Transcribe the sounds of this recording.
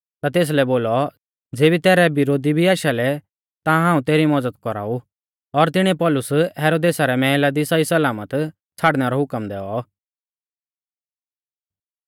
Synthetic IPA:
t̪at̪̬eːs̬lɛboːlɔ | d͡zeːbit̪ɛːɾɛbɪɾoːd̪ibʱiaːʃalɛ | t̪ãɦãːũt̪eːɾimɔd͡zət̪kɔɾa̰ːu | ɔɾt̪ɪɽ̃ɛ̃pɔlʊsɦɛːɾoːd̪eːsaɾɛmɛ̃ːlad̪isaisɐlaːmət̪ | t͡sʰaːɽnɛɾɔɦʊkəmd̪ɛːɔ

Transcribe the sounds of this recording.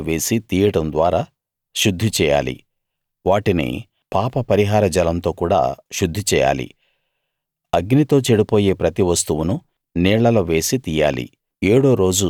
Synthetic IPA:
ʋe̞ːsit̪iːjɐɽɐmd̪ʋaːɾaː | ʃud̪ʱːit͡ʃɛːja̰ːlḭ | ʋaːʈinḭ | paːpɐpɐɾiɦaːɾɐd͡ʒɐlɐnt̪o̞ːkuːɽa̰ːʃud̪ʱːit͡ʃɛːja̰ːlḭ | ɐɡnit̪o̞ːt͡ʃeɽipo̞ːje̞ːpɾɐt̪iʋɐst̪uʋunu | nɛːɭːɐlɐʋe̞ːsit̪iːja̰ːlḭ | eːɽo̞ːɾo̞ːd͡ʒu

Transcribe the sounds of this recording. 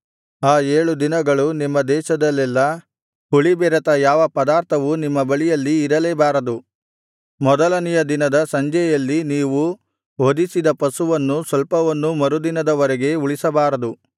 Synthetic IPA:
aːeːɭud̪inɐɡɐɭunimːɐd̪ɛːʃɐd̪ɐlːɛlːɐ | uɭibɛːɾɐt̪ɐjaːʋɐpɐd̪aːɾt̪ʰɐʋunimːɐbɐɭijɐlːiːɾɐleːbaːɾɐd̪u | mɔd̪ɐlɐnijɐd̪inɐd̪ɐsɐɲd͡ʒɛjɐlːiniːʋu | ɦod̪isid̪ɐpɐsuʋɐnːusʋɐlpɐʋɐnːumɐɾud̪inɐd̪ɐʋɐɾɛɡe̞uɭisɐbaːɾɐd̪u

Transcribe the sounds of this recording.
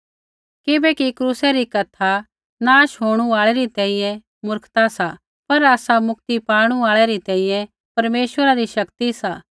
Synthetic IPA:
kɪbɛkikɾuːsɛɾikɐt̪ʰa | naːʃɦoːɽ̃uaːɭɛɾit̪ɛ̃ːĩjɛ̃ | mʊɾkʰt̪asa | pɐɾaːsamʊk̚t̪ipaːɽ̃uaːɭɛɾit̪ɛ̃ːĩjɛ̃ | pɐɾmeːʃwəɾaɾiʃɐkt̪isaː

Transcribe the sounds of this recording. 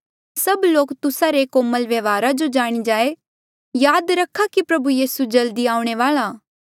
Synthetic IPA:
sɐbloːkt̪ʊsaɾekoːməlʋjɐʋaːɾad͡ʒod͡ʒaːɽ̃id͡ʒaːe | jaːd̪ɾɐkʰːakipɾɐbujiːsud͡ʒɐld̪iaːũɽ̃eʋaːlaː

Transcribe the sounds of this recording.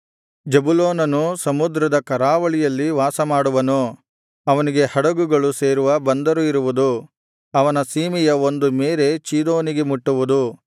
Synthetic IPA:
d͡ʒɐbuloːnɐnusɐmud̪ɾɐd̪ɐkɐɾaːʋɐɭijɐlːiʋaːsɐmaːɽuʋɐnoː | ɐʋɐniɡe̞hɐɽɐɡuɡɐɭuse̞ːɾuʋɐbɐnd̪ɐɾuiɾuʋud̪u | ɐʋɐnɐsiːmijɐond̪ume̞ːɾe̞t͡ʃiːd̪o̞ːniɡe̞muʈːuʋud̪u

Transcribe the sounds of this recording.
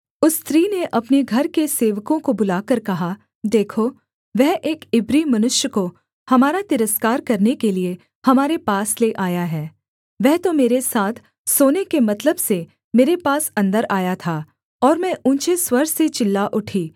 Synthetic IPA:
ʊst̪ɾiːneʔɐpneɡʱɐɾkeseːʋkõkobʊlaːkɐɾkɐɦa | d̪eːkʰo | ʋɛɦʔeːkɪbɾimɐnʊʃjəko | hɐmaːɾat̪ɪɾəskaːɾkɐɾnekelie | hɐmaːɾepaːsleʔaːjaɦɛː | ʋɛɦt̪omeːɾesaːt̪ʰ | soːnekemɐt̪ləbse | meːɾepaːsɐ̃nd̪əɾaːjat̪ʰaː | ɔːɾmɛ̃ʔũːnt͡ʃeswɐɾset͡ʃɪlːaʔʊʈʰiː

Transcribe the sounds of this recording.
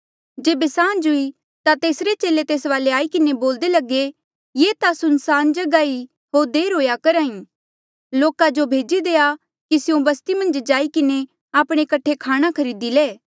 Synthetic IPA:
d͡ʒeːbesãːnd͡ʒʊi | t̪at̪eːsɾet͡ʃeːlet̪eːsʋaːleaːikɪneboːld̪elɐɡe | jeːt̪asʊnsaːnd͡ʒɐɡaːi | ɦoːɾd̪eːɾɦoːjakɐɾaːĩ | loːkad͡ʒobʱeːd͡ʒid̪eːa | kisɪjõbɐst̪imɐ̃nd͡ʒd͡ʒaːikɪne | aːpɽ̃ekɐʈʰːekʰaːɽ̃akʰɐɾiːd̪ileː

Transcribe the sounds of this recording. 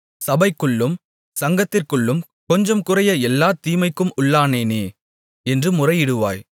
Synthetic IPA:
sɐbɐɪkːɯɭːɯm | sɐŋɡɐt̪ːɪrkɯɭːɯm | kɔɲd͡ʒɐmkɯrɐjɐɛlːaːt̪iːmɐɪkːɯmʊɭːaːneːneː | ɛndrɯmʊrɐɪjɪɽɯʋa̰ːj

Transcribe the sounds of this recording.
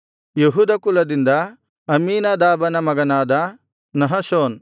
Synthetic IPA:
jeɦuːd̪ɐkulɐd̪ind̪ɐ | ɐmiːnɐd̪aːbɐnɐmɐɡɐnaːd̪ɐ | nɐɦɐsoːn

